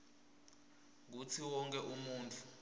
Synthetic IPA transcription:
ŋɡ̬ut͡sʰiwɔŋkʼɛʔumuːntʼu

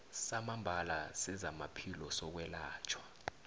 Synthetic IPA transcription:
samambʱalasɛzamapʰilɔsɔk̬wɛlaːt͡ʃʰwḁ

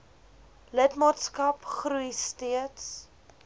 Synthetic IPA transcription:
lətmɑːtskɐpχruistiəts

